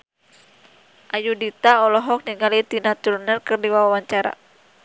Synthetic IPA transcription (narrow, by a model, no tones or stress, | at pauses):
ʔajudit̪aɔlɔɦɔk̚niŋalit̪inat̪ulnərkɨrdiwawawaɲt͡ʃaɾa̰